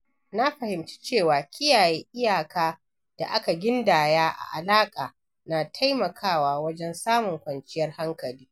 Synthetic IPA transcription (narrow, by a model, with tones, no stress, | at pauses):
na˦ɸɐ˨hɪ˨mt͡ʃi̥˦t͡ʃeː˦˨waː˨kʲʰʼɪ˦jaː˨jeː˦ʔɪ˦jaː˨kaː˦ | d̥a̰˨ʔa˦ka˨ɡʲɪ˦ndaː˨jaː˦ʔa̰˨ʔa˨laː˦kʼaː˨ | na˨tʰa˦jmɐ˨kʰaː˦˨waː˦wɐ˦d͡ʒɛ˦nsaː˦mʊ˨ŋkʷɐ˨nt͡ʃɪ˦jɐ˦rha˦ŋkɐ˨liː˦